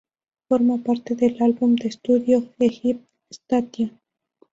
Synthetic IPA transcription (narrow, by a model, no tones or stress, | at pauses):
foɾmapaɾt̪eðelalβumd̪est̪uðjoexip̚ | st̪at̪ja